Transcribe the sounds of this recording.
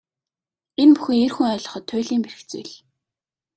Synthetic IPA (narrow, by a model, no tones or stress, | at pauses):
enpu̥xɘ̆ŋerxuŋœːɮɞ̆χɞ̆t̪ʰːʊːɮiːmperɘ̆kt͡sṵjɮ